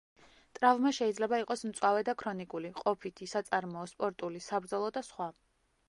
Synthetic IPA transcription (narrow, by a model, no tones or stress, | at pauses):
t̪ʼɾavmaʃɛid̪zlɛbaiqʼɔsmt̪sʼwavɛd̪akʰɾɔnikʼuliqʼɔpʰit̪ʰisat̪sʼaɾmɔːspʼɔɾt̪ʼulisabɾd̪zɔlˠɔd̪asχwa